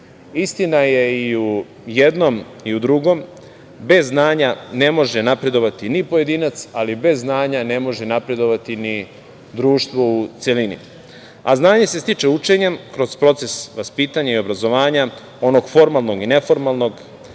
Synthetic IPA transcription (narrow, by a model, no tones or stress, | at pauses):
ist̪inaje̞iu | jed̪no̞m | iud̪ɾuɡo̞m | be̞zːnaːɲane̞mo̞ʒenapɾe̞d̪o̞ʋat̪inipo̞je̞d̪iːnat̪salibe̞zːnaːɲane̞mo̞ʒenapɾe̞d̪o̞ʋat̪ini | d̪ɾuːʃt̪ʋo̞ut̪selinḭ | a̰znaːɲe̞se̞st̪it͡ʂeut͡ʂeɲemkɾo̞z̥pɾo̞t̪se̞sʋaspiːt̪aɲaio̞bɾazo̞ʋaːɲa | o̞no̞ɡ̥fo̞ɾmalˠno̞ɡine̞fo̞ɾmalˠno̞ɡ